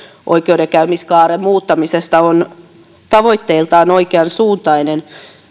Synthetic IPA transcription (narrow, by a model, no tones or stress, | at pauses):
ʔo̰ikeudekæymiskɑːɾemmuːt̪ːɑmisest̪ɑon | t̪ɑʋoit̪ːeilt̪ɑːnoikeɑnsuːnt̪ɑinen